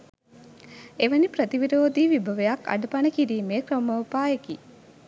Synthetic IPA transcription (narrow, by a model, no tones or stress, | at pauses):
eʋənipɾət̪iʋiɾoːd̪iːʋibʱəʋəjakːa̰ɖəpanəkiɾiːmeːkɾəməupaːeki